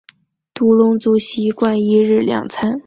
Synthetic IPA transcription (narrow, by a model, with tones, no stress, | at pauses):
t̪u˧˥lʊ˥ŋt͡su˥ɕi˧˥kwa˥˩ni˧˥ɻ̩˥˩ljɑ̰˨˩ŋt͡sʰa˥n